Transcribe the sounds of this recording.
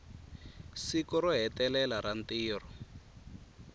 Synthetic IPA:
sikɔɾɔɦɛtɛlɛlaɾantiːrɔ

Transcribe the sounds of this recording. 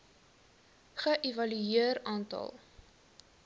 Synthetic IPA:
χəʔevɐlyiərɑːntɐ̰lˠ

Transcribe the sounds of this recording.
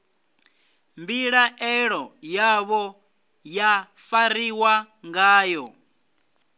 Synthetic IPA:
mbiɺaʔɛɺɔjaβɔ | jafaɾiwa | ŋɡaːjɔ

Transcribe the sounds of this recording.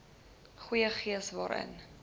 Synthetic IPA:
χujəχiəsvɑːɾʔə̰n

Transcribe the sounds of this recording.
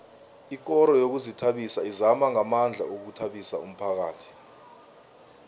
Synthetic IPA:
ik̬ʼɔɾɔjok̬uzitʰaɓisaizamaŋamand͡ɮʱa̰ok̬utʰaɓisa̰um̩pʰak̬aːtʰi̥

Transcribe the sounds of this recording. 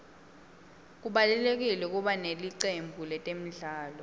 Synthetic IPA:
k̬uɓalɛlek̬ilɛuk̬ʼuɓaneliǀembʱulɛtʼem̩ɮaːlɔ

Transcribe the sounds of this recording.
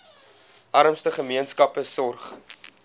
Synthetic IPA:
ʔɐɾəmstəχəmiənskɐpəsɔrχ

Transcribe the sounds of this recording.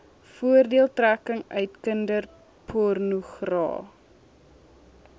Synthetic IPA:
fuərdiəlˠtrækəŋœɥtkəndər | pʰɔrnuχrɑ̰ː

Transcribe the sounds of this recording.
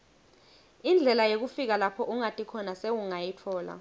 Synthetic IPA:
ind͡ɮʱɛlajok̬ufik̬alapʰɔʔuŋatʼikʰɔnasewuŋajitʰɔːla̰

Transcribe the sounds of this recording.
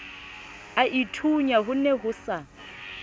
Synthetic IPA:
aʔitʰuɲaɦʊnɛɦʊsa

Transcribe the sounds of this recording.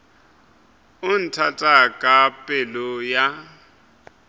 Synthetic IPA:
ʊn̩tʰatʼakʼapʼɛlɔja

